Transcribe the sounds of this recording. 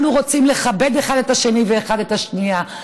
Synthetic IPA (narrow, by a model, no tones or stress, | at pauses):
nuʁo̞t͡simle̞χabe̞deχade̞taʃe̞niveːχade̞taʃnija